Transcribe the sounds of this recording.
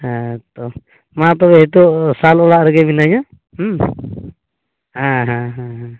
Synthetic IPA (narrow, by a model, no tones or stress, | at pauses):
at̪ɔ | mat̪̬ɔbɛɦɛt̪̬uʔsalɔlaʔɾɛɡɛminaɲa | hãɦãɦãɦa